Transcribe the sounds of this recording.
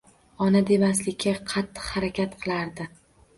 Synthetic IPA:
ɒnad̪e̞maslɪkʲʰːaqʰɑt̪ʰːɨ̥qhaɾakʲʰat̪qʰɨlˠaɾd̪ɪ

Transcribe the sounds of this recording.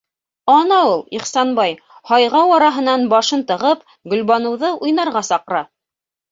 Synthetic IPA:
ɑnɑulˠiχsɑnbɑj | hɑjʁɑwɑɾɑɦɤ̆nɑnbɑʃɤnt̪ɤ̆ʁɤp | ɡɵ̆lbɑnɤ̆wðɤʔujnɑɾʁɑsɑqɤ̆ɾɑ

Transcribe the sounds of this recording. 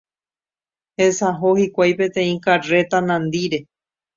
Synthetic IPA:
hesaɦohikʷajpẽ̞t̪ẽ̞ĩkare̞t̪anãnd̪iɾe̞

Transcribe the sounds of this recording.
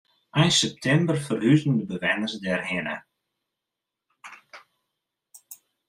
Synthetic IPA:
ʔɛjsɛp̚tʰɛmbərfərhyzəndəbəʋɛnərsdɛrhɪnə̰

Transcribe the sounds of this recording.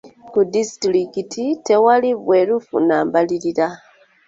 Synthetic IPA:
kudistɾikitʰite̞waliβweɾufṵnaːmbaliliɾa

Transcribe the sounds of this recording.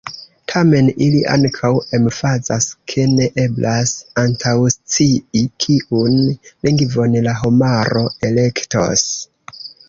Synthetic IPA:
tʰame̞niliʔa̰ŋkʰawe̞mfazaskʰe̞ne̞ʔe̞blʔasantʰawst͡siikʰiʔunliŋɡvo̞nlaɦomaɾo̞e̞le̞kto̰s

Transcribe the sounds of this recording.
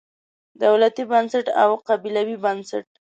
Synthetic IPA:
d̪awlat̪ibansaʈa̰wqabilawibansa̰ʈ̚

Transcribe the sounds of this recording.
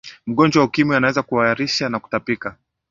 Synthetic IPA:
m̩ɠɔnd͡ʒwaukimianawɛzakuaaɾiʃanaku̥tapika

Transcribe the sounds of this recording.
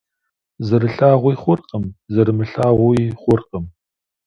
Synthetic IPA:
zɨɾɨɬaːʁʷijχʷʊrqəmzɨɾɨmɨɬaːʁʷʊiχʷʊrqʼəm

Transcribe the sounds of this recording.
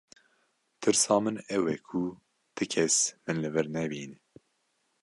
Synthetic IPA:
t̪ʰɨɾsɑːmɨnɛwɛkʰu | t̪ʰɨkʰɛsmɨnlɨvɨɾnɛbiːn

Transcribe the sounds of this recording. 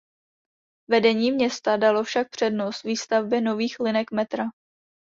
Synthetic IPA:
vɛdɛɲiːmɲɛst̪adalo̞fʃak̚pr̥ɛdno̞st̪viːst̪avbɛno̞viːxlɪnɛkmɛt̪ɾa

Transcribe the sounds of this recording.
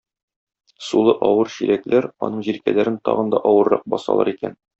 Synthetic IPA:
sulˠɤʔɒwɤɾɕiɾæklæɾɒ̰nɤɴʑiɾkælæɾɘnt̪ɒʁɤ̆nd̪ɒʔɒwɤ̆ɾːɑq̚bɒsɑ̰lˠɑ̰ɾikæn

